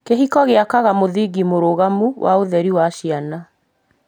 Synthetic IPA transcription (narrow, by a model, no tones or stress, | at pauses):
keɦikɔɣeakaɣamoðiɣimoɾoɣamuwʔa̰oðɛɾiwaʃiana